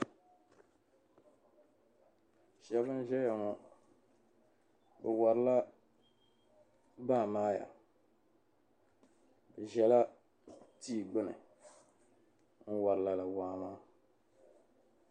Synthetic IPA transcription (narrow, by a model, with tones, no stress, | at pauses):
ʃɛ˨˦bɨ˦n˦ʒɛ˦ja˨ŋɔ˦ | bɨ˨wa˨ɾɨ˦la˦ | baː˦˨maː˦ja̰˨ | bɨ˨ʒɛ˨la˦ | ti˦˨ɡ͡bɨ˦nɨ̰˨ | ŋ̩˦wa˨ɾɨ˨la˨la˨waː˦maː˦